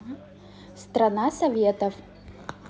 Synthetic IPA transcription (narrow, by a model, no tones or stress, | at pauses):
st̪ɾɐnasɐvʲet̪ɐf